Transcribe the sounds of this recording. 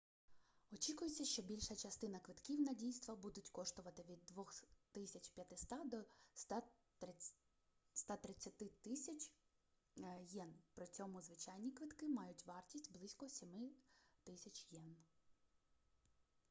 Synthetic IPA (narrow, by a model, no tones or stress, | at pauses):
ɔt͡ʃʲikʊjet͡sʲːɐʃt͡ʃɔbʲilʲʃɐt͡ʃɐst̪ɪnɐkʋɪt̪kʲiwnɐdʲijst̪ʋɐbud̪ʊtʲkɔʃt̪ʊʋɐt̪ɪʋʲid̪ːʋɔxt̪ɪsʲɐt͡ʃʲpʲjɐt̪ɪst̪ɑd̪ɔs | st̪ɑt̪ɾɪt͡sʲːɐt̪ɪt̪ɪsʲɐt͡ʃʲ | jɛnpɾɔt͡sʲɔmʊzʋɪt͡ʃɑjnʲikʋɪt̪kɪmɑjʊtʲʋɑrtʲisʲtʲblˠɪsʲkɔsʲimɪt̪ɪsʲɐt͡ʃʲjɛn